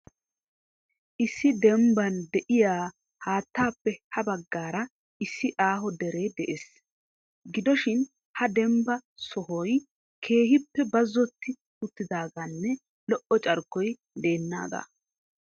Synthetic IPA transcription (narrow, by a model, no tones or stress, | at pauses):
ʔɪsːɪd̪ɛmbɐnd̪ɛʔɪjaː | haːt̪ːaːpːɛhɐbɐɡːaːɾɐ | ʔɪsːɪʔaːɦɔd̪ɛɾe̞ːd̪ɛʔeːs | ɡɪd̪ɔʃɪn | hɐd̪ɛmbɐsɔɦɔj | kʰe̞ːɦɪpːɛbɐzːɔt̪ːɪ | ʊt̪ːɪd̪aːɡɐnːɛ | lɔʔɔt͡ʃʼɐɾkːɔj | d̪e̞ːnːa̰ːɡ̪a̰